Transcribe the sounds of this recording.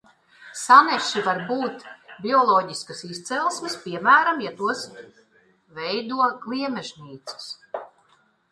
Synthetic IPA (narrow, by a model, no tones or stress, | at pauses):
sanɛʃivaɾbuːt̪bʲiɔlˠɔːɟiskasist̪sɛlˠsmispʲiɛmæːɾamjat̪uɔs | vɛjd̪uɔɡlˠiɛmɛʒniːt̪sɪ̥s